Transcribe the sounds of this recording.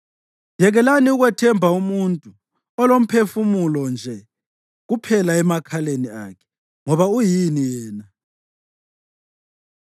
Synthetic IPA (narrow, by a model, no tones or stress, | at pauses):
jɛɣɛlaniuɣwɛtʰɛmbʱaumuntʼu | ɔlom̩pʰefumulɔnd͡ʒʱɛ | ɣupʰɛlaɛmakʰalenia̰ːkʰɛ̥ | ŋɔβaujinijɛːna